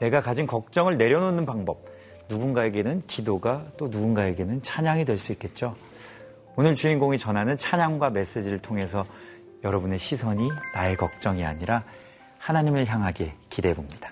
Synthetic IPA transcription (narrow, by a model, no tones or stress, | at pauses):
ne̞ɡakad͡ʑinkʌk̚t͡ɕ͈ʌŋɯɭne̞ɾjʌnonɯnpaŋbʌb̚ | nuɡunɡae̞ɡe̞nɯnkidoɡat͈onuɡunɡae̞ɡe̞nɯnt͡ɕʰaɲaŋidwe̞ɭs͈uit̚k͈e̞t̚t͡ɕ͈o | onɯɭt͡ɕuinɡoŋit͡ɕʌnɦanɯnt͡ɕʰaɲaŋɡwame̞s͈e̞d͡ʑiɾɯɭtʰoŋɦe̞s̬ʰʌ | jʌɾʌbune̞ɕʰisʰʌɲinae̞kʌk̚t͡ɕ͈ʌŋia̰ɲiɾa | hanaɲimɯɭçjaŋɦaɡekide̞bomɲid̥ḁ